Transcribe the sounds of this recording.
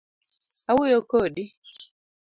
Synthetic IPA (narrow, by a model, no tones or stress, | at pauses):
awujokoɗi